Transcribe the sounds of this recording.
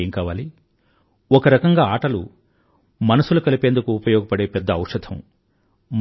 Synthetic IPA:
eːŋkaːʋaːli | ɔkɐɾɐkɐŋɡaːaːʈɐlu | mɐnɐsulɐkɐlipeːnd̪ukuːpɐjɔːɡɐpɐɽeːpɛd̪ːɐɐwʂɐd̪ʰɐ̰m | m

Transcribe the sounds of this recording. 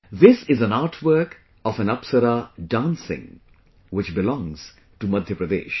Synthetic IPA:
ðɪsɪzə̃naːɾʈʰwəɾk | ɔfɛ̃nɐpsəɾaɖãːnsɪ̰̃ŋ | wɪt͡ʃbɪlɔ̃ŋz̥ | ʈumʌd̪ʱjəpɾəd̪ḛːʃ

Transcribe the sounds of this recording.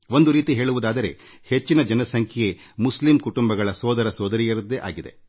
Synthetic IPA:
ʋo̞nd̪uɾiːt̪iɦe̞ːɭuʋud̪aːd̪ɐɾe̞̰ | het͡ʃːinɐd͡ʒɐnɐsɐŋkʰɛje | muslimkuʈumbɐɡɐɭɐsɔːd̪ɐɾɐsɔːd̪ɐɾijɐɾɐd̪ːeʔa̰ːɡid̪e̞

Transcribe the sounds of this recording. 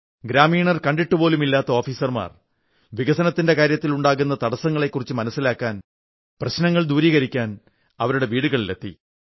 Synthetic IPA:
ɡɾaːmiːɳɐrkɐɳɖiʈːupo̞ːlumilːaːt̪ːɐoːfiːsɐrma̰ːr | ʋiɣɐsɐnɐt̪ːinde̞kaːɾjɐt̪ːiluɳɖaːɣunːɐt̪ɐɽɐsːɐŋːɐɭe̞kːurit͡ɕːɨmɐnɐsːilaːkːaːn | prɐɕnɐŋːɐɭd̪uːɾiːɣɐɾikʲːaːn | ɐʋɐɾuɽe̞ʋiːɽuɣɐɭlet̪ːḭ

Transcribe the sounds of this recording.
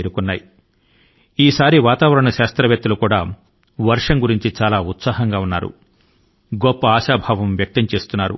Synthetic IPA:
eɾukunːaːji | iːsaːɾiʋaːt̪aːʋɐɾɐɳɐʃaːst̪ɾɐʋjɐk̚t̪ːulukuːɽaː | ʋɐɾʂɐmɡuɾiɲt͡ʃit͡ʃaːlaːut̪saːɦɐŋɡaːunːa̰ːɾṵ | ɡɔpːɐaːʃaːbʱaːʋɐmʋjɐk̚t̪ɐmt͡ʃe̞ːst̪unːaːɾṵ

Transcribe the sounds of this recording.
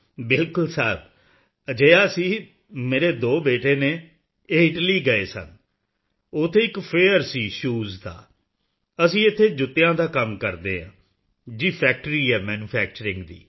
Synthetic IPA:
bɪlkʊlsɛːb | əd͡ʒeːjaːəsĩː | meːɾeːd̪oːbeːʈeːneː | eːɪʈliːɡəeːsə̰n | ʊt̪ʰːeːɪkpʰeːəɾsiːʃuːzd̪a̰ː | əsĩːɪt̪ʰːeːd͡ʒʊt̪ːejãːd̪aːkəmkəɾd̪eːɦã̰ː | d͡ʒiːpʰɛːk̚ʈəɾiːɛːmɛːnuːpʰɛːk̚t͡ʃəɾɪ̃ŋɡd̪ḭː

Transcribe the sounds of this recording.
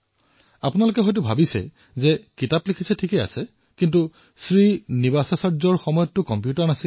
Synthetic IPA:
apʊnalʊkɛɦɔjt̬ʊbʱabisɛ̰ | zɛkitaplikʰisɛtʰikɛa̰sɛ | kintu | sɹinibasɔsazɔɹxɔmɔjɔtːʊkɔmpjutaɹnasi

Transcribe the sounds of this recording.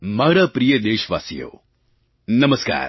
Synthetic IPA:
mɐɡɽɐpɾijəd̪eːʃʋa̰ːsijo̰ː | nɐməska̰ːɾ

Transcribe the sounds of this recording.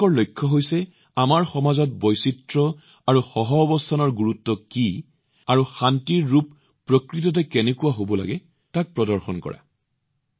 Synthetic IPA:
ɔɹlojkʰːɔɦojsɛ | amaɹxɔmazɔt̚bɔjsitɹɔ | aɹuxɔɦɔːbɔstʰanɔɹɡuɹutːɔki | aɹuxantiɹːupː | ɹokɹit̬ɔt̬ɛkɛnɛkuwaɦobɔla̰ɡɛ | tak̚pɹɔdɔɹxɔnkɔ̰ɹa̰

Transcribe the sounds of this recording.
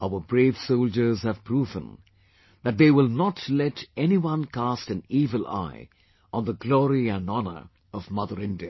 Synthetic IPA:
aʊə˞bɹeɪv̥soʊld͡ʒə˞z̥hɨv̥pʰɾuːvə̰̃n | ðɨt̚ðeɪwɪlˠnətʰlɛɾɛniwʌ̃nkʰæstɨ̃niːvəla̰ɪ | ə̃nðəɡlɔɹiæ̃nɑnə̰˞ | ʌvmʌðə˞ɪ̃ndiɨ

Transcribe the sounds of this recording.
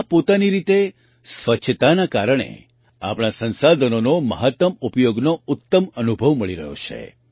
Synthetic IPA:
apot̪aniɾit̪e | sʋət͡ʃʰət̪anakaɾəɽ̃ḛ | a̰pɽ̃asənsad̪ʱənonoməɦət̪ːəmupjoɡnoʊt̪ːəmənubʱəʋməɭiɾə̰ɦo̰t͡ʃʰḛ

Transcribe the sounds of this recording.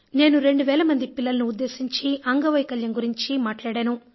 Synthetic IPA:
ne̞ːnuɾe̞ɳɖuʋɛːlɐmɐnd̪ipilːɐlɐnuːd̪ːe̞ːsiɲt͡ʃiʔɐŋɡɐʋɐjkɐljɐŋɡuɾiɲt͡ʃimaːʈlaːɽaːnu

